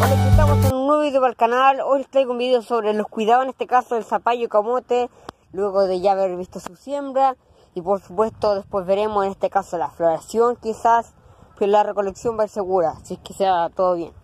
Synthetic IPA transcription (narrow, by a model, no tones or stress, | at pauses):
olekut̪akot̪ennweββiðjoβalkanalojlet̪ɾajɣumbiðeosoβɾelohkwiðaoenest̪ekasoelsapaʝokamot̪e | lweɣoðeʝaːβeɾβist̪osusje̞mbɾa | ipoɾsupwe̞st̪oðespwe̞zβeɾe̞mosenest̪ekasolafloɾasjoŋkisas | plarekoleksjo̞mbaiɾseɣuɾasekeseat̪oðoβjḛn